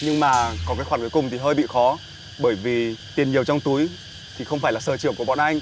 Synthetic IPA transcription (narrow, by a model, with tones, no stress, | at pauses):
ɲɨ˧ŋmaː˨˩kɔ˨˦kaː˨˦jxwaː˧˩nku˨˦jkʊ˨˩ŋ͡mt̪ʰi˨˩ɦəː˧jɓḭ˧˨xɔ˨˦ | ɓəː˧˩jvi˨˩t̪i˨˩ənɲi˨˩əwt͡ɕɔ˧wŋ͡mt̪u˨˦j | t̪ʰi˨˩xə˧wŋ͡mfaː˧˩jlaː˨˩səː˨˩t͡ɕɨ˧˩əku˧˩əɓɔ̰˧˨nʔa˧jŋ̟